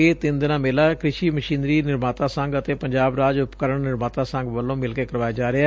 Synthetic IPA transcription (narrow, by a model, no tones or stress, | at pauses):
eːt̪ɪnd̪ɪnãːmɪːlaːkɾɪʃiːməʃĩːnɾiːnɪɾmaːt̪ãːsəŋɡət̪eːpəɲd͡ʒaːbɾaːd͡ʒʊpkəɾəɳnɪɾmaːt̪aːsə̃ŋɡʋəlːõːmɪlkeːkəɾʋaːjaːd͡ʒaːɾɪaː